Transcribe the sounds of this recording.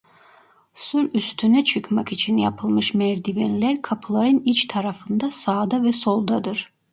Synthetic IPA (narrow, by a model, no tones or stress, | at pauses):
syɾyst̪ʰynɛt͡ʃʰɯkmakit͡ʃʰinja̰pʰɯlˠmɯʃmɛɾd̪ivelilʲæɾkʰapʰɯlˠaɾɯnit͡ʃt̪ʰaɾafɯnd̪asaːd̪avɛso̞lˠd̪ad̪ɯɾ̥